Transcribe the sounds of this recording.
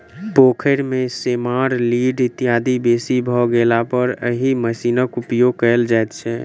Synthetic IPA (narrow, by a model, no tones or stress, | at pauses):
pokʰəɾmesemaɾliɖit̪ijad̪ibesibʱɔɡelapəɾəɦiməsinəkupjoɡ̚kəld͡ʒajt̪t͡ʃʰɛ